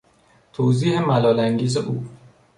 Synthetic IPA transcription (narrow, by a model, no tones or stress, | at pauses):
t̪ʰoːziːhemælɒːlæŋɟiːzeʔuː